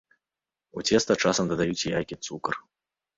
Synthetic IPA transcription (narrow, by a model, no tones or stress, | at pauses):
ut͡sʲɛst̪ɐt͡ʂasɐmd̪ɐd̪ajut͡sʲijajʲkʲit̪sukɐr